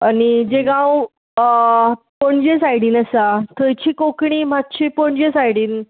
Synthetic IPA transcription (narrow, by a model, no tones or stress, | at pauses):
añid͡ʑeɡãw | pəɳd͡ʑesajɽiːnəsat̪ʰəjt͡ɕiːkokɳiːm̤at̪ːɕipoɳd͡ʑesajɽiːn